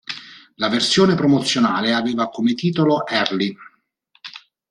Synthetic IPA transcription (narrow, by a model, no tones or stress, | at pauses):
laversjoːnepɾomot̪sːjonaːleaveːvakomet̪iːt̪oloʔɛrli